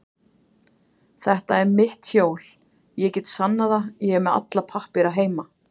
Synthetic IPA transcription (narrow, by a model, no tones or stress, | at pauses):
θɛht̪aɛɾmɪht̪hjoːwl̥ | jɛcɛt̪sanːaðajɛɣɛɾmɛða̰t̪lapʰahpɪɾaɦeːjma